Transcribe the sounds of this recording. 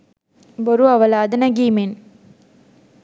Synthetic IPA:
bɔɾuɐʋɐlaːd̪ɐnɐɡimen

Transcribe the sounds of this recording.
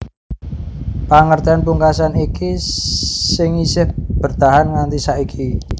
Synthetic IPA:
paŋərt̪ianpuŋkasaniki | sɪŋisɪhb̥ərt̪aɦanŋant̪isaʔikʰi

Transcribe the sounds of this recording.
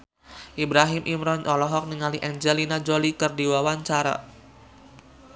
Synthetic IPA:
ʔibɾaɦɪmʔimɾɔnʔɔlɔɦɔk̚niŋaliʔɛnd͡ʒɛlinad͡ʒolikɨrdiwawaɲt͡ʃaɾa̰

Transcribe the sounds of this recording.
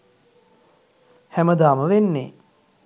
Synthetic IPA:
hæməd̪aːməʋenːḛː

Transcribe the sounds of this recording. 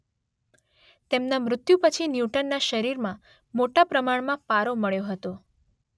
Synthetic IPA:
t̪emnamɾʊt̪jupət͡ʃʰinjuʈənːaʃəɾiɾmã | moʈapɾəmaɳmãpaɾoməɭjoɦət̪o

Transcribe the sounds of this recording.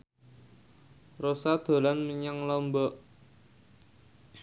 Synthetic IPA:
rosad̪̥o̤lanməɲaŋlɔmbɔʔ

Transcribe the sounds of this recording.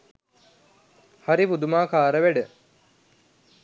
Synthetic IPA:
haɾipud̪umaːkaːɾəʋeɖə

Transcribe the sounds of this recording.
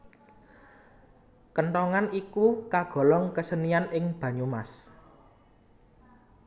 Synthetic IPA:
kəɳʈ̪ɔŋanikukaɡ̥ɔ̤lɔŋkəsənianɪŋb̥ä̤ɲumas

